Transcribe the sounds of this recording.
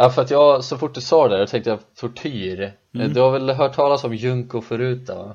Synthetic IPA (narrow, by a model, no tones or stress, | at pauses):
afœɾat̪jɑːɡsɔfʊʈːd̪ɵsɑːd̪ɛt̪ʰɛŋkt̪əjat̪ʰʊʈʰyːɾ | d̪ɵhavɛlɦœːʈʰːɑːlasɔmjɵŋkʊfœɾʉ̟ːt̪̚d̪ɔ